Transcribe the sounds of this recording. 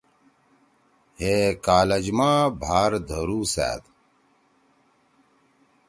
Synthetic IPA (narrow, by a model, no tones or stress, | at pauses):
heːkaːlɐd͡ʑmaːbʱaːɾd̪ʱɐɾuːsæ̰ːd̪